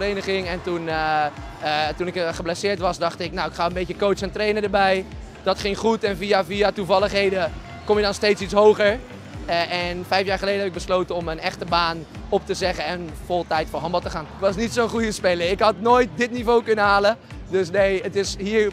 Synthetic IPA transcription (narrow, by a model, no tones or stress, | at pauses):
rejnəχɪŋɛntun | tunɪkχəblasɪːɹtʋɑsdɑxtɪknawɪkχaːənbetjəkoːsɛntreːnədəbɛj | d̥ɔtχɪŋχutɛnfiaviatuvɑlˠəχɦejdə | komɪdɔnsteːtsitsɦoːɣəɹ | ɛnfɛjfjaːɹχəleːdɦɛbɪk̚bəsloːtəɔmənɛxtəbaːnɔp̚təzɛɣəɛnfolˠtɛjtfoːɹɦɑmbɑlˠtəχaːntʋɑsnitsoːnχujəspɪləɪkɦɑtnoːjt̚dɪtnivoːkɵnəhaːlə | døsneətɪshiːɹ